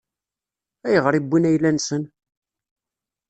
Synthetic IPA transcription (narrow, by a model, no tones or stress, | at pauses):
æjəʁɾˤibːinæjlænsən